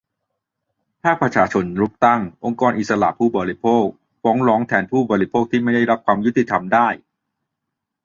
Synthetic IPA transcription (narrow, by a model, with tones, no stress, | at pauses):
pʰaː˥˩pɾa˧t͡ɕʰaː˧t͡ɕʰo˧nɾu˦˥p̚t̪a˥˩ŋʔo˧ŋkɔː˧nʔi˨˩t̪̚sa˧la̰˨ʔpʰuː˥˩bɔː˨˧ɾi˦˥pʰoː˥˩k̚ | fɔː˦˥ŋɾɔː˨˦˥ŋt̪ʰɛː˧npʰuː˥˩bɔː˧ɾi˦˥pʰoː˥˩k̚t̪ʰiː˥˩ma˥˩jda˥˩jɾa˦˥p̚kʰwaː˧mju˦˥t̪i˨˩t̪ʰa˧mdaː˥˩j